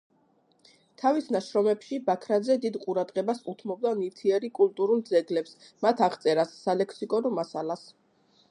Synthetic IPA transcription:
t̪ʰavisnaʃɾɔmɛpʃibakʰɾad̪zɛd̪id̪qʼuɾad̪ʁɛbasut̪ʰmɔb̚d̪aniɾt̪ʰiɛɾikʼulˠt̪ʼuɾulˠd̪zɛɡlɛps | mat̪ʰaʁt̪sʼɛɾasːalɛkʰsikʼɔnɔmasalas

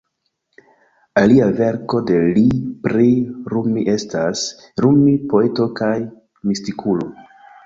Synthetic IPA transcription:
aliave̞ɾko̞de̞lipɾiɾumiʔe̞stas | ɾumipo̞e̞to̞kaj | mistikʰulo̞

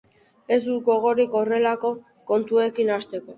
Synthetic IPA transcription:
e̞zd̪uɡo̞ɣ̞o̞ɾiko̞re̞lako̞ | ko̞nt̪ue̞kinast̪e̞ko̞

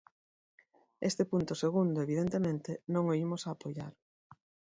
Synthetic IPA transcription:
est̪epunt̪ʊseɣ̞und̪ʊeβið̞ent̪emẽnt̪enõŋoimosaːpoja̰ɾ

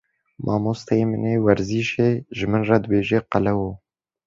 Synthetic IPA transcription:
mʔɑːmoːst̪ʰɛjeːmɨneːwɛɾziːʃeːʒɨmɨnrɑd̪ɨbeːʒeːqalɛwoː

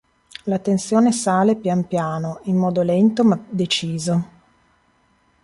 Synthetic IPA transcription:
lat̪ensjoːnesaːlepjanpjaːnoimːɔːd̪olɛnt̪omad̪et͡ʃiːzo

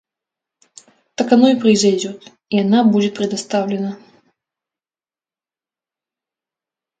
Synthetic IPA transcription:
t̪ɐkanɔjpɾɨjzajd͡zʲɔt̪ | ijanabud͡zʲɪt̪̚pɾʲɛd̪ast̪awlʲɪnɐ

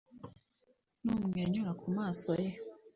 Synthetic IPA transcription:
nuːmŋeːɲuɾakumaːsoje

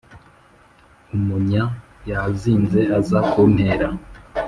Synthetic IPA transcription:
umuɲa | jaziːnze̞azakumheːɾa

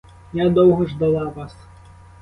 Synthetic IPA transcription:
jad̪ɔwɦɔʐd̪ɐlˠɑʋɑs

